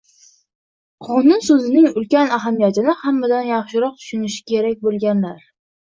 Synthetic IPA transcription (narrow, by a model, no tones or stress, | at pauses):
qʰɒnʊnsɵzɪnɪŋʊlkʲanaɦamijat̪ʰɪnɪhamːad̪anjɑχʃɪɾɒq̚t̪ʰʊ̥ʃʊnɪʃɪ̥kʲʰe̞ɾak̚ʲbolˠɡʲanlaɾ